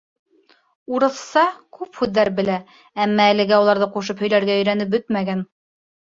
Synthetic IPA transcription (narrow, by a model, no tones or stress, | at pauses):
uɾɤ̆θsɑkʉphʉðːæɾbɘ̆læ | æmːæːlɘ̆ɡæulˠɑɾðɤquʃ̬ɤphɵ̆jlæɾɡæɵ̆jɾænɘp̚bɵt̪̚mæɡæn